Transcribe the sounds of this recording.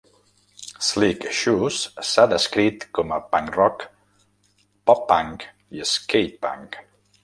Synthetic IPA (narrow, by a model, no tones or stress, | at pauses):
slikʃussaðəskɾit̪kɔməpaŋkrɔk | pɔpːaŋk | iəskejt̚pa̰ŋk